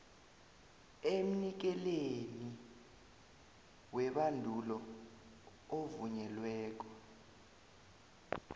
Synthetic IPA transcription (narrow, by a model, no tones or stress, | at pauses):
em̩nik̬ɛleni | wɛɓandʱulɔ | ovuɲɛlwɛːk̬ɔ